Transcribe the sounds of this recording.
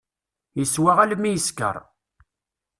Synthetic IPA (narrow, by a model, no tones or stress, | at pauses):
jəswaʁælmːijəskə̰ɾˤ